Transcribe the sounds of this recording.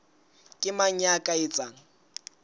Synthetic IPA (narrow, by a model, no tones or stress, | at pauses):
kʼɪmaɲakʼaɪt͡sʼaːŋ̩